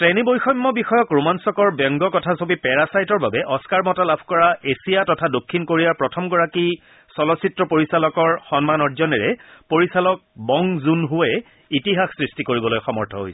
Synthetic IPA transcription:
tɛnibojxɔjmːɔbixɔjɔkɹumansɔkɔɹbɔŋɡɔkɔtʰasobipɛɹasajtɔɹbabɛʔɔskaɹmɔtalabʱkɔɹaesijatɔtʰadokʰːinkoɹijaɹpɹɔtʰɔmɡɔɹaki | sɔlɔsitɹɔpoɹisalɔkɔɹxɔnmanɔɹzɔnɛɹɛpoɹisalɔk̚bɔŋzunɦʊɛ | itiɦaxsɹistikoɹibɔlojxɔmɔɹtʰɔɦo̰jsɛɛ

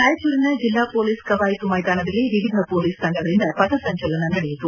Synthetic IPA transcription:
naːjɐt͡ʃuːɾinɐd͡ʒilːaːpoːliːskɐʋaːjit̪umɐjd̪aːnɐd̪ɐlːiʋiʋid̪ʱɐpoːliːsk̪ɐɳɖɐɣɐɭind̪ɐpɐt̪ɐsɐɲt͡ʃɐlɐnɐnɐɽɛjut̪ːu

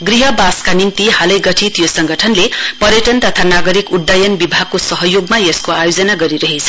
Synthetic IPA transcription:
ɡriɦʌbaskanint̪ihalʌjɡʌʈʰit̪josʌŋɡʌʈʰʌnlepʌɾjʌʈʌnt̪ʌt̪ʰanaɡʌɾikuɖːajʌnbibʱaɡ̚kosʌɦʌjoɡmajeskoajod͡zʌnaɡʌɾiɾʌɦet͡sʰʌ̥

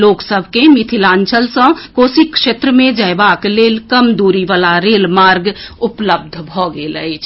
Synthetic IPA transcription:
loːksəbʱkemit̪ʰilãːnt͡ʃʰəlsə̃koːsikʃet̪ɾəmẽd͡ʒəbakleːlkəmd̪uɾiʋaːlaɾeːlmaːɾɡʊpləb̚d̪ʱbʱɔɡeləjt͡ʃʰ

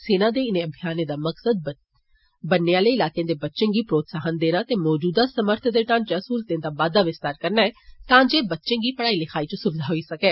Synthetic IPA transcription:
seːnãːd̪eːɪnẽːəbʱijaːnẽːd̪aːməksəd̪̚ | bənːejãːləːɪlaːkejãːd̪eːbətːʃẽːɡiːpɾoːt̪saːɦənd̪eːnaːt̪eːmɔːd͡ʒuːd̪aːsəməɾt̪ʰd̪eːʈãːnt͡ʃːəsuːlt̪ẽːd̪aːʋaːd̪aːʋɪst̪aːɾkəɾnaːɛːt̪ãːd͡ʒeːbətːʃẽːɡiːpəɽaːiːlɪkʰaːiːt͡ʃõsʊbɪd̪ʱaːɦoːiːsəkɛː

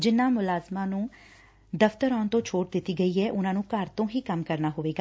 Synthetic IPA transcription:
d͡ʒɪnːãːmʊlaːzmãːnũː | d̪əfʰt̪əɾɔːnt̪õːt͡ʃʰoːʈd̪ɪt̪ːiːɡəiːɦɛːʔʊnãːnũːkəɾt̪õːɦiːkəmkəɾnaːɦʊʋeːɡaː

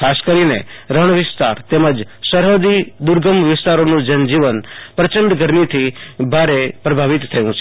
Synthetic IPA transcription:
kʰaskəɾinḛɾəɳʋɪst̪a̰ɾt̪eməd͡ʒsəɾɦəd̪id̪uɾɡəmʋɪst̪aɾonũd͡ʒənd͡ʒiʋənpɾət͡ʃəɳɖɡəɾmit̪ʰibʱaɾepɾəbʱaʋit̪ʰːəjũt͡ʃʰe

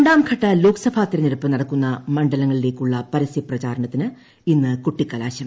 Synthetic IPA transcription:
ɳɖaːmkʰɐʈːɐloːksɐbʱaːt̪ːiɾɐniɾɐpːɨnɐɽɐkːunːɐmɐɳɖɐlɐŋːɐɭile̞ːkʲːuɭːɐpɐɾɐsiprɐt͡ɕaːɾɐɳɐt̪ːinɨ | inːɨkuʈːikːɐlaːɕɐm

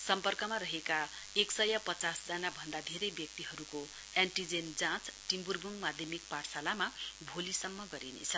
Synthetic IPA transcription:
sʌmpʌrkʌmaɾʌɦeka | eksʌjʌpʌt͡sasd͡zanabʱʌnd̪ad̪ʱeɾejbjʌk̚t̪iɦʌɾuko | aɳʈid͡zend͡zãt͡sʈimburbuŋmad̪ʱjʌmik̚paʈsalamabʱolisʌmːʌɡʌɾinḛt͡sʰʌ

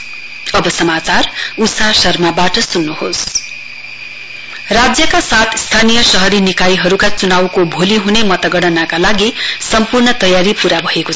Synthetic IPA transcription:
ʌbʌsʌmat͡sarusasʌrmabaʈʌsunːuhos | rad͡zjʌkasat̪ʰst̪ʰanijʌsʌɦʌɾinikajɦʌɾukat͡sunawkobʱoliɦunemʌt̪ʌɡʌɽʌnakalaɡisʌmpurnʌt̪ʌjaɾipuɾabʱʌeko

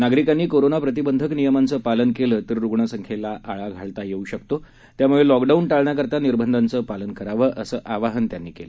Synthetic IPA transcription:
naɡɾikanːiːkoɾonapɾət̪̬ibənd̪ʱəknijəmant͡səːpalənkeləːt̪əɾɾuɡɳəsəŋkʰelaʔaɭaɡʱaɭt̪ajeuːɕəkt̪o | t̪jamuɭelɔkɖaunʈaɭɳjakəɾt̪aniɾbʱənd̪ʱant͡səːpalənkəɾaʋəːʔəsəːʔaʋaɦənt̪janːiːkelə

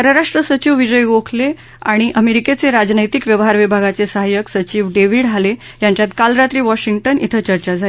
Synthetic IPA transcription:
əɾəɾaʂʈɾəsət͡ɕiʋʋid͡ʑəjɡokʰle | aɽ̃iʔəmeɾiket͡seɾad͡ʑnəjt̪ikʋjəʋɦaɾʋibʱaɡat͡sesəɦajəksət͡ɕiːʋɖeʋiɽale | jaɲt͡ɕjat̪kalɾat̪ɾiːʋɔɕiŋɡ̚ʈənḭt̪ʰət͡ɕəɾt͡ɕad͡zʱae

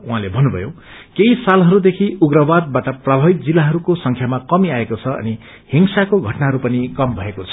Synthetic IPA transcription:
uɦãlebʱʌnːubʱʌ̰jo̰ | keisalɦʌɾud̪ekʰiuɡɾʌbad̪̚baʈʌprabʱʌbit̪̚d͡zilːaɦʌɾukosʌŋkʰjamakʌmiaekot͡sʰʌʌ̰ni | hiŋsakoɡʱʌʈnaɦʌɾupʌnikʌmbʱʌekot͡sʰʌ̥

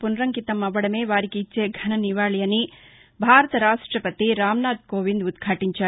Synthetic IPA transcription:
punɾɐŋkit̪ɐmːɐʋɐɽɐmeːʋaːɾikit͡ʃt͡ʃːeːɡʱɐnɐniʋaːɭijɐni | bʱaːɾɐt̪ɐɾaːʂʈɾɐpɐt̪iɾaːmnaːd̪koːʋind̪ud̪ɡʰʱaːʈiɲt͡ʃɐ

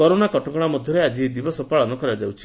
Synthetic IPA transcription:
kɔɾonakɔʈɔkɔɽ̃amɔd̪ʱjɔɾead͡ʒid̪ibɔsɔpaɭɔnɔkɔɾad͡ʒawt͡ʃʰi̥

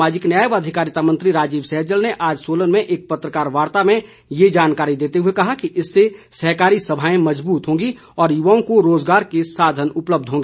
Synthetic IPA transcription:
maːd͡ʒɪknjaːjəʋaːd̪ʱɪkaːɾɪt̪amɐ̃nt̪ɾiɾaːd͡ʒiːʋsɛɦəɾd͡ʒəlneʔaːd͡ʒsoːlənmẽʔeːk̚pɐt̪ɾəkaːɾʋaːɾt̪amẽ | jed͡ʒaːnkaːɾid̪eːt̪eɦʊekɐɦakiʔɪsːesɐɦkaːɾisɐbʱaːẽmɐd͡ʒbuːt̪ɦõːɡi | ɔːɾjʊʋaːõkoɾoːd͡ʒɡaːɾkesaːd̪ʱənʊpləb̚d̪ʱɦõːŋɡeː

